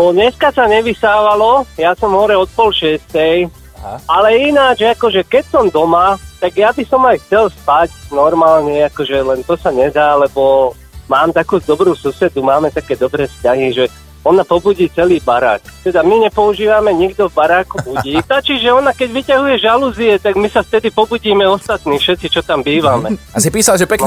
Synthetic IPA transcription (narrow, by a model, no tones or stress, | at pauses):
nɔɲɛskasaɲɛʋisaːʋalɔjasɔmɦɔɾɛɔt̪̚pɔlʃɪɛst̪ɛj | alɛinad͡ʒakɔʒɛkɛcsɔmd̪ɔmat̪aɡjabisɔmajxt͡sɛlspacnɔɾmaːlɲɛakɔʒɛlɛnt̪ɔsaɲɛd̪aːlɛbɔ | maːmt̪akuːd̪ɔbɾuːsusɛd̪umaːmɛt̪akɛːd̪ɔbɾɛːfscaɦiʒɛ | ɔnapɔbuɟiːt͡sɛliːbaɾa̰ːkt̪ɛd̪amiɲɛpɔuʒiːʋamɛɲiɡd̪ɔvbaɾaːkubuɟiːtat͡ʃiʒɛɔnakɛɟʋicaɦujɛʒaluːziɛt̪aɡmisaft̪ɛd̪ipɔbuɟiːmɛɔst̪at̪niːfʃɛt̪t͡sit͡ʃɔt̪ambiːʋamɛ̰as̬ipiːsalʒɛpɛk